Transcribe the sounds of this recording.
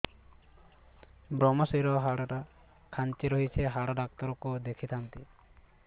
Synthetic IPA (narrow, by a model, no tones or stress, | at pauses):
bɾɔmɔsɔjɾɔɦaɽaʈa | kʰant͡ʃiɾɔɦit͡ʃʰeɦaɽaɖak̚t̪ɔɾɔkod̪ekʰit̪ʰant̪i